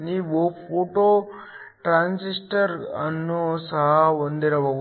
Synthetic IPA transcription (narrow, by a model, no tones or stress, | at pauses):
niʋopʰoːʈoː | ʈɾaːnsisʈɐɾɐnːosɐɦɐond̪eɾɐʋɐ